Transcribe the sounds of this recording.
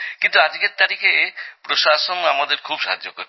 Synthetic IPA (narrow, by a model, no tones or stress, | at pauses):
kint̪uad͡ʑɡeɾt̪aɾikʰepɾoʃaʃonamad̪eɾkʰubʃaɦa̰d͡ʑːokoɾ